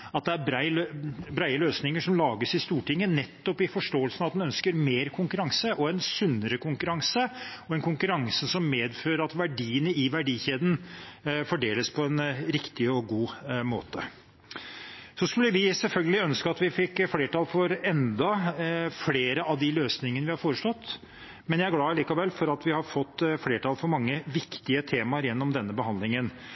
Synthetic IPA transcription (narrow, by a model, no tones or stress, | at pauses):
ɑt̪̚d̪ɛæɾbɾæɪbɾæɪəløːsnɪŋəʂɔmlɑːɡəsɪst̪uːʈɪŋːənɛt̪ːɔpɪfɔʂʈoːəlsənɑʋɑt̪d̪ɛnœnskəɾmeːɾkʰʊŋkʉɾɑŋsəʔɔɛnsʉnːəɾəkʰʊŋkʉɾɑŋsəɔɛnkʰʊŋkʉɾɑŋsəsɔmːeːd̪føːɾəɾɑt̪ʋæɖiːənəɪʋæɖiːçeːd̪n̩fɔɖeːləspʰɔɛnɾɪkt̪ɪɔɡuːmoːt̪ə | sɔskʉlːəʋɪsɛlfœlɡəlɪœnskəɑt̪ʋɪfɪkːfleːʈɑlfɔɾɛnd̪ɑfleːɾəɑʋd̪ɪløːsnɪŋənəʋɪhɑɾfoːɾəʂlɔt̪ː | mɛnjæɪæɾɡlɑːɭiːkɑʋɛlfɔɾɑt̪ʋɪhɑfɔt̪ːfleːʈɑlfɔɾmɑŋːəʋɪkt̪ɪət̪ʰeːmɑəɾjɛnːɔmd̪ɛnːəbəhɑnd̪lɪŋən